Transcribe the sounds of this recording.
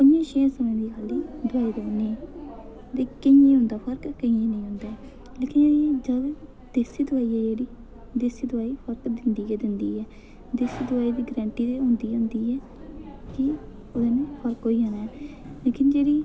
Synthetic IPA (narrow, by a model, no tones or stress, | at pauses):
kʊnjẽːʃiãːsəmẽːd̪iːkʰaliːd̪ʊaːiːd̪eːnẽː | d̪eːkɪjẽːɦʊ̃nd̪aːpʰəɾkkəĩẽːnəĩːɦʊ̃nd̪aː | leːkɪnd͡ʒəl | d̪̥eːsiːd̪ʊaːiːɛːd͡ʒeːɽiː | d̪eːsiːd̪ʊaːiːpʰəɾkd̪ɪnd̪iːɛd̪ɪnd̪iːɛː | d̪eːsiːd̪ʊaːiːd̪iːɡɾɛ̃ːɳʈiːt̪eːɦʊ̃nd̪iːɦʊ̃nd̪iːɛː | kɪ | od̪eːnẽpʰəɾkɦoːiːɦaːnaː | leːkɪnd͡ʒeːɽiː